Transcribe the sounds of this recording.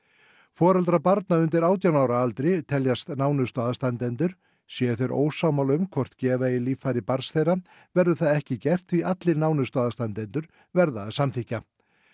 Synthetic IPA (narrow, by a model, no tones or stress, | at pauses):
fɔːɾalt̪ɾapaɾt̪naʏnt̪ɪɾaːwt̪jawnaːwɾaalt̪ɾɪt̪ʰɛljast̪naːwnʏst̪ɔːðast̪ant̪ɛnt̪ʏɾ̥ | sjɛθeɾʔo̰ːwsawmalʏmkʰvɔr̥t̪cɛːvaɪliːfaɾɪpaɾsθejra | vɛɾðʏθaðɛhcɪcɛr̥t̪viat̪lɪɾnaːwnʏst̪ɔːðast̪ant̪ɛnt̪ʏɾ̥ | vɛɾðaːðsamθihca